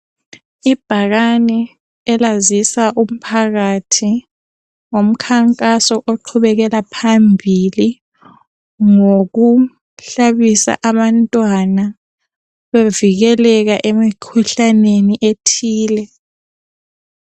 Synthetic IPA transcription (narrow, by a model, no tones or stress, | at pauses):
ib̥ʱaɣanɛ | ɛlazisaʔum̩pʰaɣatʰi | om̩kʰaŋkʼasɔʔoǃʰuβɛɣɛlapʰambʱili | ŋoɣu | ɬaβisa̰ʔaβantʼwana | βeviɣɛlɛɣaʔemikʰuɬaneniʔetʰiːlɛ